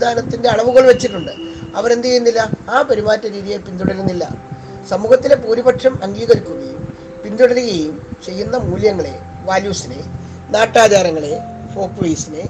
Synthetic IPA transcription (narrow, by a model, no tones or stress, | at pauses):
d̪ʱaːnɐt̪ːinde̞ɐɭɐʋuɣɐɭʋet͡ɕːiʈːuɳɖɨɐʋɐɾe̞nd̪iejunːilːɐaːpɐɾimaːtːɐɾiːðijepind̪uɽɐɾunːilːɐ̰ | sɐmuːɣɐt̪ːile̞puːɾibɐʈʂɐmɐŋɡiːɣɐɾikʲːuɣɐjum | pind̪uɽɐluɣɐjumt͡ɕe̞jːunːɐmuːljɐŋːɐɭe̞ | ʋaːljuːsine | naːʈːaːd͡ʑaːɾɐŋːɐɭe̞ | fo̞ːpːʋeːsine